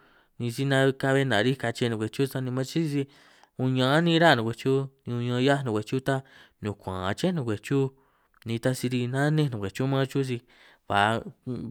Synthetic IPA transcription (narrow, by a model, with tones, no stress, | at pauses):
nĩ˧si˦nã˧ka˧βe˧nã˨˧ɾi˦ka˧t͡ʃe˧˦nũ˧kʷe˨t͡ʃu˦sa˧nĩ˧mã˦t͡ʃi˦i˧si˧ | ũ˧ɲã˧˦nĩ˧˦˧ɾa˦˨nũ˨˧kʷe˧t͡ʃu˦nĩ˧ũ˧ɲã˧ja˦nũ˧˨kʷe˨t͡ʃu˦t̪a˦nũ˨kʷã̰˨˧t͡ʃe˦nũ˧kʷe˨t͡ʃu˦ | nĩ˧t̪a˧si˧ɾi˧nã˦nẽ˦˨nũ˨kʷe˨t͡ʃu˦mã˦t͡ʃu˦s̬i˧ | βa˨˧